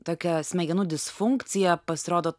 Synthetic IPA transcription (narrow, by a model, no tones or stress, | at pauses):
t̪oːkʲɛsʲmʲɛɡʲɛnʊd̪ʲɪsfʊŋkt̪sʲɪjɛpɐsʲɪɾoːd̪oː